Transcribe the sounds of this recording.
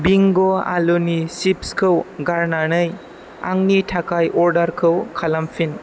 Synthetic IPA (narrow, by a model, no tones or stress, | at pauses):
biŋɡoa̰lonisipskʰɯwɡaɾnanɯj | a̰ŋnitʰakajʔɔɾdaɾkʰɯwkʰalampʰin